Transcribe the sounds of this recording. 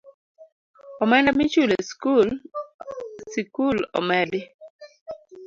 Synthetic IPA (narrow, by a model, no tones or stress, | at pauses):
ɔmɛndamit͡ʃuleskul | sikulɔ̰mɛdɪ